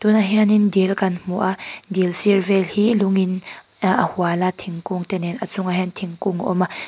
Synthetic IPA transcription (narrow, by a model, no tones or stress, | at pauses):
t̪unaɦɛanindɛlkanmuʔadilsirvɛlhiluŋin | ʔahualat̪ʰiŋkuŋt̪ɛnɛnʔat͡sʊŋaɦɛnt̪ʰiŋkuŋʔɔ̰ma